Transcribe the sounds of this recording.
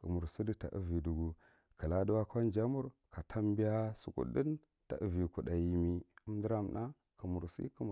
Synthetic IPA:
kə˨mu˨ɾsi˦di˦ta̰˨ʔə̰˦vi˨du˨ɡu˨ | kə˨la˦du˦wa˦ka˦nd͡ʒa˦mu˦ɾka˨tʰa˦mbi˦ja˦su˨kṵ˨də˦n | ta̰˨ʔə˦vi˨ku˨ɗa˨ji˨mi˨a˦m˦də˦ɾa˦mna˦ | kə˨mu˨ɾsḭ˦kə˨m˨

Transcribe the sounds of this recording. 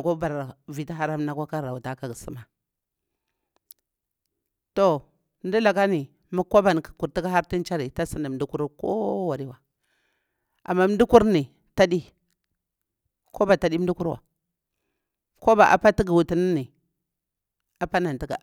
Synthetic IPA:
ko˦ba˨ɾa˨vi˨ta˦ɦa˦ɾa˦m˦na˦kʷa˦ka˦˨a˨wu˨ta˨˦ka˨ɡi˨sḭ˦ma˨ | to˨ | m˦di˦la˨ɡa˦ni˨ | mu˦kːo˦ba˨n˨kḁ˨ku˨ɾti˦ka˦ɦa˦ɾti˦nt͡ʃa˦ɾi˨ta˦si˦ni˨m˨di˦ku˦ɾko̰˦wa˨ɾi˦wa˨ | a̰˨mːa˦m˦di˦ku˦ɾni˨ | ta˦di˦ | ko˦ba˨ta˨di˦di˦ku˦ɾwa̰˨ | ko˦ba˨ʔa̰˨pa˦ti˦ɡi˨wu˨ti˦ni˦ni˨ | a˨pa˦na˨n˨ti˦ɡa̰˨

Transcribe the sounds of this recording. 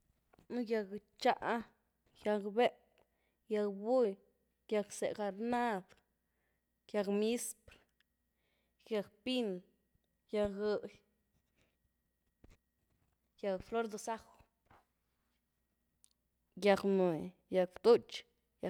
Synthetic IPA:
nu˦ja˧kt͡ʃa˦ʔ | ja˧kbe˦p | ja˧kbu˦j | ja˧ksḛ˨ʔka˨ɾna˦b | kja˧kmi˦spɾ | ɡja˧kpi˦n | ja˧kɨ˧ʔj | ja˧kflo˦ɾd̪osa˦x | ja˧kmu˨ | ja˧kt̪u˦t͡ʃ | ja

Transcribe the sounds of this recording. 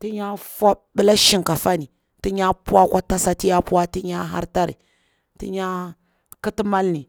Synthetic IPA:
ti˦ɲa˦fa˦bə˦la˦ʃi˨ŋka˨fa˦ni˨ | ti˦ɲa˦pu˦a˦kʷa˦ta˦sa˨ti˦ja˦pu˦wa˦ti˦ɲa˦ɦa̰˦ɾta˦ɾḭ˨ | tḭ˦ɲa˦ | ki˦ti˦ma˦lni˨

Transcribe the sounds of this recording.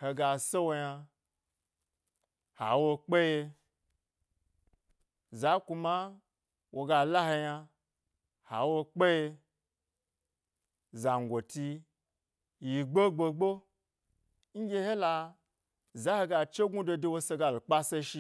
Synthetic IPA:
he˧ɡa˧se˦wo˧ja˧ | ha̰˨wo˧k͡pe˦je˧ | za˨˦ku˧ma˦ | wʔo˧ɡa˧la˦he˧ja˧ | ha̰˨wo˧k͡pe˦je˧ | za˨ŋ˨ɡʷo˨ti˧ | ji˨ɡ͡bo˦ɡ͡bo˧ɡ͡bo˦ | ŋ̩˦ɡʲe˦he˦la˧ | za˨˦he˧ɡa˧t͡ʃe˦ɡu˦do˧de˧wo˧se˧ɡa˧lk͡pa˦se˧ʃi˧

